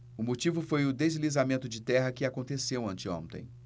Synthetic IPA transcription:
ʊmot͡ʃivʊfojʊd̪ezlizamẽnt̪ʊd͡ʒɪt̪ɛɦɐkɪakõnt̪esewɐ̃t͡ʃɪõ̰t̪ḛ̃j̃

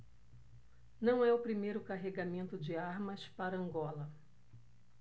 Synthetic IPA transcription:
nɐ̃w̃ɛʊpɾimejɾʊkaɦeɡamẽnt̪ʊd͡ʒɪaɾmɐspaɾɐɐ̃ŋɡɔlɐ

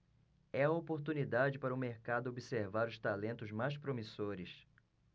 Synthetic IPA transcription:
ɛɐopoɾt̪unid̪ad͡ʒɪpaɾɐʊmeɾkad̪ʊobiseɾvaɾʊst̪alẽnt̪ʊzmajspɾomisoɾɪs

